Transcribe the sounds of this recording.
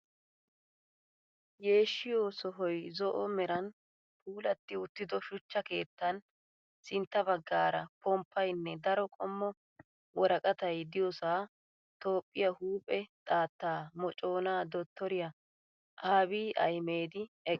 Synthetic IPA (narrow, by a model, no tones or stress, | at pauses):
je̞ːʃːɪjoːsɔɦɔjzɔʔɔmɛɾɐn | puːlɐt̪ːɪʊt̪ːɪd̪ɔʃʊt͡ʃːɐke̞ːt̪ːɐn | sɪnt̪ːɐbɐɡːaːɾɐ̰pɔmpːɐjnːɛd̪ɐɾɔkʼɔmːɔ | wɔɾɐkʼɐt̪ɐjd̪ɪjɔsaː | t̪o̞ːpʼːɪjɐhuːpʼɛt̪ʼaːt̪ːaːmɔt͡ʃʼo̞ːnaːd̪ɔt̪ːɔɾɪjɐ | ʔaːbiːʔɐ̰jme̞ːd̪ɪɛkʼː